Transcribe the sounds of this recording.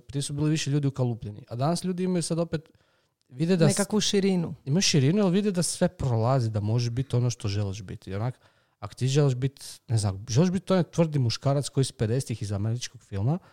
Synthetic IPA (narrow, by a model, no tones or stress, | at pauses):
pɾiesubiːliʋiʃeʎuːd̪iukalˠuplʎenḭʔad̪anasʎʲuːd̪iimajusad̪o̞pet̪ | ʋid̪ed̪aekakuʃiɾinuimajuʃiɾinualʋid̪ed̪asʋe̞pɾolˠazid̪amo̞ʒebit̪o̞noʃt̪o̞ʒeliʃbit̪onak | ako̥t̪iʒeliʃbit̪neznamʒeliʒbit̪o̞net̪ʋr̩d̪imuʃkaːɾat̪sko̞ispeɾest̪ixizameɾit͡ʃkoɡfilˠma